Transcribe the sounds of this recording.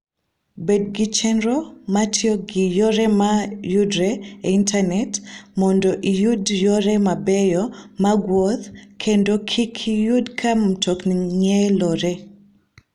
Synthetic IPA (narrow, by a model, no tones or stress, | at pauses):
bed̚ɡɪt͡ʃɛnɾɔmatʰiɔɡɪjoɾɛmajudɾɛeintʰanɛtmɔndɔʔijudjoɾɛmabɛjɔmaɡwɔt̪kʰendokʰikʰijudkʰam̩tʰokniɲɛlɔɾe